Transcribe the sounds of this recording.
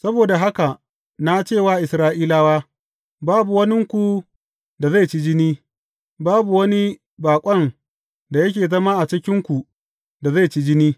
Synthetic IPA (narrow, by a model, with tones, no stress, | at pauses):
sɐ˦boː˨da˨ɦa˦ka˨ | na˦t͡ʃeː˦˨waː˦ʔɪ˨sɾaː˦ʔiː˦laː˦waː˦ | baː˦bu˨wɐ˦nɪ˦ŋkʷu˨ | da˨za˦˨t͡ʃi˦d͡ʒɪ˦niː˦ | baː˦bu˨wɐ˦ni˦ | baː˨kʷʼɐ˦˨n | da˨jɐ˦kʲeː˨zɐ˦maː˦ʔa˨t͡ʃɪ˦kʲɪ˦ŋkʷu˨ | da˨za˦˨t͡ʃi˦d͡ʒɪ˦niː˦